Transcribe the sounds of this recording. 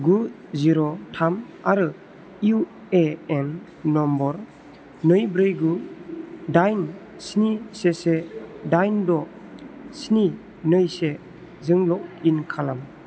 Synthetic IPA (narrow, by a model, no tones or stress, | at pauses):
ɡu | ziɾɔtʰam | aɾɯ | ju | eenː | ɔmbɔɾ | nɯjbɾɯjɡu | dajn | snisesedajndɔ | sini | nɯjse | zɯŋlɔk̚inkʰalam